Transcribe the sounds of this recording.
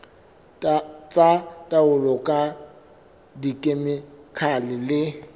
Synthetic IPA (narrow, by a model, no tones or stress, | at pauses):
t͡sʼatʼaʊlɔkʼa | dikʼemɪkʰalɪlɪ